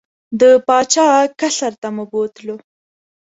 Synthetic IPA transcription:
d̪əpɑt͡ʃɑkaɬaɾt̪aməbot̪lo

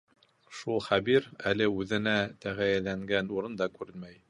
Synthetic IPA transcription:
ʃulˠχæbiɾælɘʉðɘ̆næt̪æʁæjælæŋɡænuɾɤnd̪ɑkʉɾɘnmæj

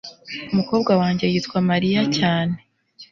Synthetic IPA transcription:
umuko̞ːb̚ɡawaːɲɟe̞jiːtkwamaɾijacaːne

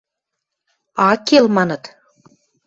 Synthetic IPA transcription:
ɑkelmɑnɤ̆t̪

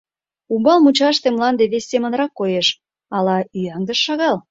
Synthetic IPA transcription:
umbɑlmut͡ɕɑʃt̪emlɑnd̪eβesʲːemənɾɑkːojeʃ | ɑlɑyjɑŋd̪əʃːɑɣɑl

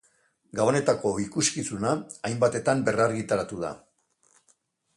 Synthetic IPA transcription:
ɡaβone̞t̪ako̞ikuskisunaːjmbat̪e̞t̪ambe̞raɾɣit̪aɾat̪uð̞a̰

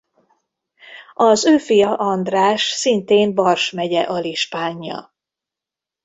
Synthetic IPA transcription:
ɒzøːfijɒʔɒnd̪raːʃsint̪eːmbɒrʃmɛɟɛʔɒliʃpaːɲːɒ̰

